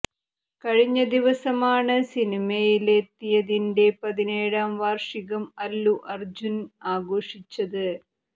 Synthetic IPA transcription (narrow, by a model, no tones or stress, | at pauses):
kɐɻiɲːɐd̪iʋɐsɐmaːɳɨsinimɐjilet̪ːijɐðinde̞pɐðineːɻaːmʋaːrʂiɣɐmɐlːuʔɐrd͡ʑunaːɡoːʂit͡ɕːɐðɨ